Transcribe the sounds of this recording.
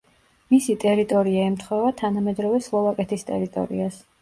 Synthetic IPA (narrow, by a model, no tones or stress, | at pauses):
misit̪ʼɛɾit̪ʼɔɾiaimt̪ʰχwɛvat̪ʰanamɛd̪ɾɔvɛslˠɔvakʼɛt̪ʰist̪ʼɛ̰ɾit̪ʼɔ̰ɾḭas